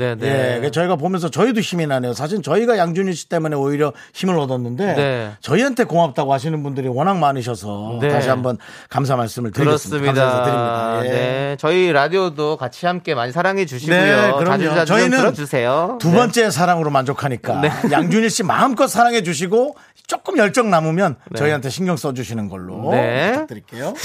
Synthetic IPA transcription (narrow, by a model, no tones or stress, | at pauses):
nejekt͡ɕʌiɡap̬omjʌnsʰʌt͡ɕʌidoçiminane̞josʰaɕ̬ʰiɭt͡ɕʌiɡajaŋd͡ʑuɲiɭɕ͈i̥t͈e̞mune̞oiɾjʌ | çimɯɾʌdʌnːɯnde̞net͡ɕʌiɦantʰe̞koŋap̚t͈aɡoɦaɕ̬ʰinɯnbundɯɾiwʌnaŋmanɯɕ̬ʰʌsʰʌetaɕ̬ʰiɦambʌn | kams̬ʰamaɭs͈ɯmɯɭtɯɾisiaamasadɯɾimɲidajet͡ɕʌiɾadiodokat͡ɕʰihamk͈e̞maɲisʰaɾaŋɦed͡ʑuɕinekɯɾʌmt͡ɕʌinɯnd͡ʑusʰejotubʌnt͡ɕ͈e̞sʰaɾaŋɯɾomand͡ʑokʰaɲik͈aejaŋd͡ʑuɲiɭɕ͈ima̰ɯmk͈ʌsʰaɾaŋɦe̞d͡ʑuɕ̬ʰiɡo | t͡ɕ͈ok͈ɯmjʌɭt͡ɕ͈ʌŋnamumjʌnnt͡ɕʌiɦantʰe̞ɕʰinɡjʌŋs͈ʌd͡ʑuɕʰinɯnɡʌ̰ɭːo̰et͡ɕat͈ɯɾik͈ejo